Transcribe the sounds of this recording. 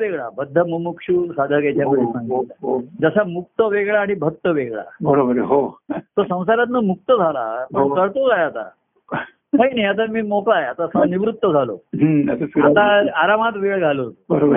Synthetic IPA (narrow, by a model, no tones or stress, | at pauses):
ʋeɡɭabəd̪ʱːəməmukʂuːsad̪ʱəkɛt͡ɕjaməd̪esãŋɡɦod͡zəsamuk̚t̪əʋeɡɭaːɽ̃ibʱək̚t̪əʋeɡɭa̰bəɾobəɾɦot̪osə̃w̃saɾat̪nəmuk̚t̪əd͡zʱala̰pəɳkəɾt̪okajeat̪a̰ | maɦinajat̪̬amiːmokɭajat̪aəsaniʋɾut̪ːəd͡zʱalo̰ɦasəat̪aaɾamat̪ʋeɭɡʱalot̪obəɾobəɾ